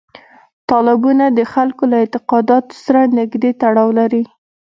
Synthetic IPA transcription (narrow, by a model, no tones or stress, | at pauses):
t̪ɑlɪbunad̪əxalkolaɪnt̪ɪqɑd̪ɑt̪o̥saɾanɪɡd̪et̪aɽɑwlaɾi